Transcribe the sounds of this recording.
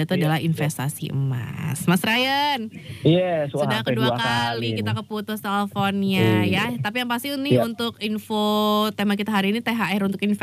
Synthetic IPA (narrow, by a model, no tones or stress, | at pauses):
it̪uadalahinfɛst̪asḭʔə̰ma̰smasɾajənassudahkəduakaalikit̪akəput̪ʊhsalfonjajat̪ap̬ijaŋpast̪inɪunt̪ʊkinfot̪emak̬it̪aɦaɾiːnit̪eɦaɛɾunt̪ʊkinf